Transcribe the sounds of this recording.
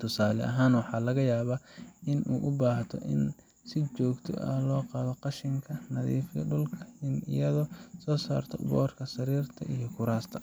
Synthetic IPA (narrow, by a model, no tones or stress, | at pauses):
t̪ʰʊsaːlɛ̰ʔɐɦaːnwɑħɑːlɐɣɐjaːβaʔɪnʔṵːʔʊbaːht̪ʰɔ̰ʔɪ̰n | sɪt͡ʃɔːɡt̪ʰɔ̰ʔɐ̰lɔːqɑːðɔqɑʃɪŋkʰɐnɐðḭːfjɐ̰ɖʊlkʰɐɪnɪ̰jɐðɔsɔːsa̰ːrt̪ʰɔ̰bɔ̰ːrkʰɐsɐɾiːrt̪ʰɐ̰ʔijɔkʰʊɾaːst̪ʰɐ